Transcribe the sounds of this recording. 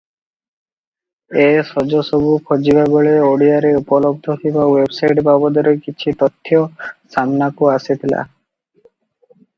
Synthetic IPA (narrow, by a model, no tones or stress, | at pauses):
esɔd͡ʒɔsɔbukʰod͡ʒibaɡɔɭeoɽiaɾeupɔlɔb̚d̪ʱɔk̪ʰibawebsajʈbabɔd̪ɔɾekit͡ʃʰit̪ɔt̪ʰːjɔsamnakuasit̪ʰila̰